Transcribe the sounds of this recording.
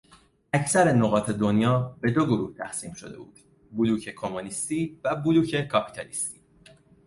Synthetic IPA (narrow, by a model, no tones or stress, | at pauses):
æcʰsæɾe̞noɣɒːt̪ʰe̞d̪onjɒːbe̞d̪o̞ɡoɾuːht̪ʰæxsiːmʃo̞̰d̪e̞̰bṵːd̪̥ | buluːcʰe̞kʰo̞munist̪iːvæbuluːcʰe̞kʰɒːpʰi̥t̪ʰɒlist̪i̥ː